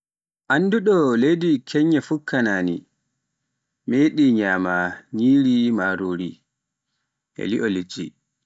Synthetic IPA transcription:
ʔanduɗɔlejdikʰɛɲːɛfukʰːanaːnḭ | meːɗiɲaːmaɲiːɾimaːɾoːɾi | ʔɛ̰liʔɔlid͡ʒi

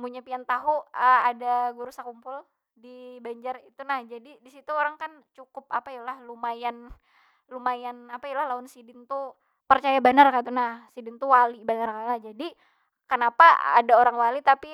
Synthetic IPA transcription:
muɲapiant̪aɦuəadaɡuɾusakumpʊl | dibaɲd͡ʒarit̪unahd͡ʒadidisit̪uoɾaŋkant͡ʃukʊp̚apajulahlumajan | lumajanapajɛlahlaʊnsidɪnt̪u | pərt͡ʃajabanarkat̪unahsidɪnt̪uwalibanarkat̪nahd͡ʒadi | kənapaa̰daoɾaŋwalit̪api

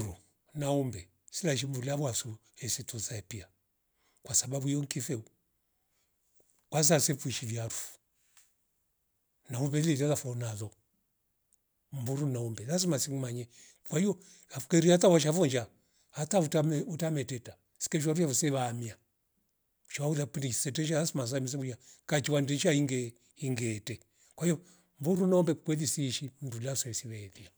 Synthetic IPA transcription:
ɾu | naumbɛ | silaʃ̬imbuliaβwasu | hɛsituzaɛpia | kwasababuiɔŋkifɛu | kwas̬asɛfuiʃiviaɾufu̥ | naumbɛlilalafɔnaðɔ | mbuɾunaumbɛlazimasiŋmaɲɛ | kwahijɔ | afukɛɾiatawaʃ̬afɔnd͡ʒa | hatautamutamɛtɛta | si̥kɛʃ̬waɾujafusɛβaːmia | ʃauðapunisɛtɛʃaasimas̬amis̬ɛkujakat͡ʃiwandɛʃaiŋɡɛ | iŋɡɛtɛ | kwahijɔ | mbuɾunaɔmbɛkkwɛlisiːʃimudulasɛisiβɛːlia

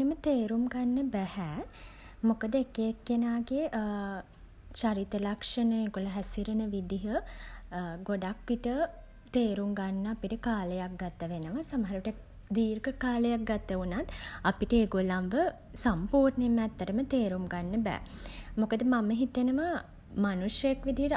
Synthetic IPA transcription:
əmət̪eːɾumɡanːəbæhɛː | mokəd̪əekekːenaːɡeʔ | t͡ʃaɾit̪əlakʂənəeɡoləɦæsiɾənəʋid̪iɦə | ɡoɖakʋiʈə | t̪eːɾuŋɡanːəapiʈəkaːləjak̚ɡat̪ːəʋenəʋasaməɦaɾuʋʈə | d̪iːɾɡəkaːləjak̚ɡat̪ːəunat̪apiʈəeɡolamʋə | sampuːɾnemæt̪ːəʈəmət̪eːɾumɡanːəbɛ̰ːmokəd̪əmaməɦit̪enəmə | manuʂjəekʋid̪iɦəʈ

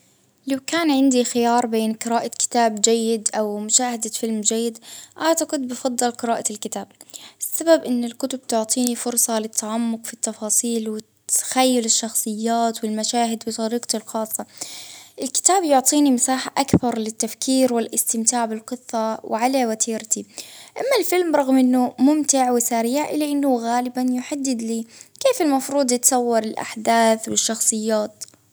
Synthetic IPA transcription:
lawkaːnʕɪnd̪ixɪjɑːɾˤbeːnqɨɾaːʔakɪ̥t̪aːbd͡ʒajːɪd̪ʔawmʊʃaːhad̪fɪlmd͡ʒajːɪd̪ʔat̪aqʊd̪̚bɪfɑd̪ˤːɑlqɨɾaːʔalkɪt̪aːb̥̚ʔɪsːababʔɪnːɪlkʊt̪ʊb̚t̪ʊʕt̪ˤiːnifʊɾsˤɑlɪt̪ʰːaʕamːʊqfit̪ːɑfɑːsˤiːlwɪt̪ːḁxajːʊlɪʃːɑxsˤɨjːaːt̪wɪlmaʃaːɦɪd̪wɪt̪ˤɑɾiːqt̪ɪlxɑːsˤːɑʔɪlkɪ̥t̪aːbjʊʕt̪ˤiːnimasaːħaʔakbɑɾˤlɪt̪ːafkiːɾwɪlʔɪst̪ɪmt̪aːʕbɪlqɨθˤːɑwɪ̰ʕalawat̪ʰiːɾt̪iʔamːalfɪlmɾˤɑɣmʔɪnːʊmʊmt̪ɪʕwɪsaɾiːʕʔɪlːaʔɪnːʊɣaːlɪbanjʊħad̪ːɪd̪liːkeːfɪlmɑfɾuːd̪ˤjɪt̪sˤɑwːɑɾˤɪlʔa̰ħd̪aːθwɪʃːɑxsˤɨjːaːt̪

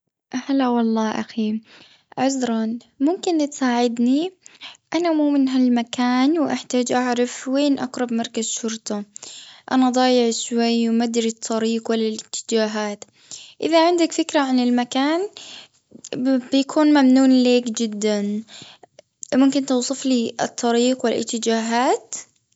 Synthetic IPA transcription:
ʔhalːawɑlˤːɑːʔa̰xi | ʕʊzɾˤɑn | mʊmkɪnt̪saːʕɪd̪niʔanamuːmɪnɦalmakʰaːnwʔaħt̪aːd͡ʒʔaʕɾɑfweːnʔɑqɾˤɑbmɑɾˤkaz̥ʃʊɾt̪ˤɑʔanaʔd̪ˤɑːjɪʕʃwajwmad̪ɾit̪ˤʰːɑɾiːqwɪlːalʔɪt̪ʰːɪ̥d͡ʒaːɦaːt̪ | ʔɪðaʕɪnd̪akfɪkɾaʕanɪlmakaːn | bjakʰuːnmamnuːnleːkd͡ʒɪd̪ːan | mʊmkɪnt̪uːsˤɨfliɨ̰t̪ˤːɑɾiːqwɪlʔɪ̰t̪ːɪd͡ʒaːɦaːt̪

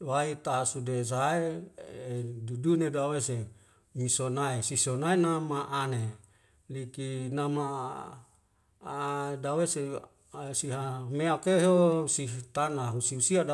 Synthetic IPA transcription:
wait̪asudesaeedudunedawese | misonaesisonaenamaʔane | likinama | dawese | siɦameakeɦosiɦt̪anaɦusiusiada

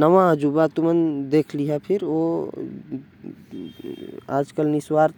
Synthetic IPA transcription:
nəʋãəd͡ʒubat̪umənd̪ekʰliɦapʰiɾo | ad͡ʒkəlniswaɾt̪

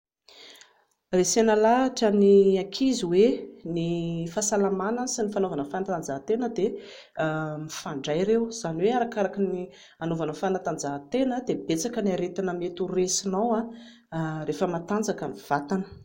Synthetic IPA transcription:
resenəlaʈ͡ʂəniakʰiziwenifasalamanəsinifanovanəfanat̪and͡zaɦt̪enəd̪e | mifaɳɖ͡ʐajɾewz̥aniweaɾakaɾakini | anovanəfanat̪and͡zaɦt̪enəd̪ebet͡sakəniaɾet̪anəmet̪uresinawa | refəmat̪and͡zakəniv̥at̪anə̥

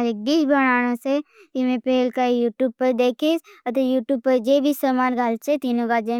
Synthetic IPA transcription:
ɾek̚biːd͡ʒbɐɽ̃aːɽ̃ãse | ɪmẽpeːlkajuːʈjuːb̚pɐɾd̪eːkʰisɐt̪ejuːʈjuːb̚pːɐɾd͡ʒeːbʱisəmaːnɡʱaːlt͡ʃʰet̪iːnõɡad͡ʒe

